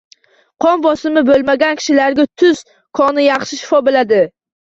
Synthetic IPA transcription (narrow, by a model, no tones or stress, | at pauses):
qʰɒmbɒsɪmɪbolˠmaɡʲankʲʰɪ̥ʃɪlaɾɡʲat̪ʰʊz̥ | kʰɒnɪjɑχʃɪʃɪ̥fɒbɪlad̪ɪ